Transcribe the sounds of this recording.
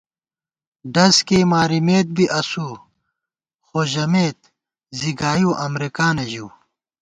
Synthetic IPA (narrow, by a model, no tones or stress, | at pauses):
ɖɐskeːmaːɾimeːt̪̚biʔɐsuː | xoːʑɐmeːt̪ | ziɡaːjuːʔɐmɾekaːnɐʑuː